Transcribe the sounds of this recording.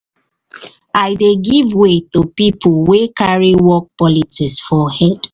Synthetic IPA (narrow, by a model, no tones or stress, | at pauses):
aɪdeɡivwetupipʰulwekaɹiwɔk̚pɔlitisfɔhɛd̥